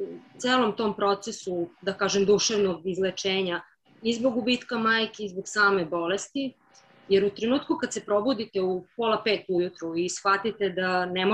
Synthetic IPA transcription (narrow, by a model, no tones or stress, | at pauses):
ut̪seːlˠo̞mt̪o̞ːmpɾo̞t̪sesud̪akaːʒemd̪uʃeʋnoɡizlet͡ʂeːɲa | izbo̞ɡubiːt̪kamaːjkeizboɡsaːme̞bo̞lest̪i | jeɾut̪ɾenuːt̪kukad̪se̞pɾo̞bud̪it̪e̞upolapeːt̪ujut̪ɾuisxʋat̪it̪ed̪anemo